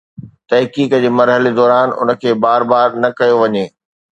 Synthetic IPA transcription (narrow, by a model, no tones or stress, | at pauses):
t̪ɐɦkiːkd͡ʑeːmɐɾɦəled̪ɔːɾaːnʊ̰nə̆kʰeːbaːɾbaːɾnɐkɐjoʋɐɲeː